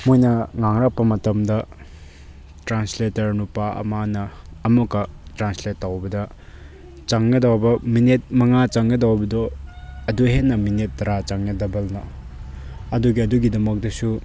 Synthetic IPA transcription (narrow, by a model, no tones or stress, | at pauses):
mojnɐŋaŋɾak̚pːɐmɐtɐmdɐ | tɾansletɐɾnupaɐ̰manɐːmukɐtɾansletːawbɐdɐ | t͡ʃaŋɡɐdawbɐminet̚mɐŋat͡ʃaŋɡɐdawbɐdoɐduɦenːɐminet̚ːɐɾat͡ʃaŋːɐdɐbɐlnɐ | ɐduɡiɐduɡidɐmɐk̚dɐsu